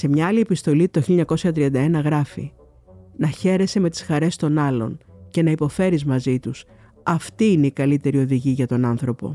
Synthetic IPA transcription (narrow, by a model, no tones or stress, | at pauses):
se̞mɲɐɐlie̞pist̪o̞lit̪oçiloɲɐko̞sçɐt̪ɾiɐnd̪ɐe̞nɐɣɾɐfḭ | nɐçe̞ɾe̞se̞me̞t̪i̥sxɐɾe̞st̪o̞nɐlo̞̰nce̞nɐipo̞fe̞ɾizmɐzit̪us | ɐft̪iine̞ikɐlit̪e̞ɾio̞ðiʝiʝɐt̪o̞nɐnθɾo̞po̞̰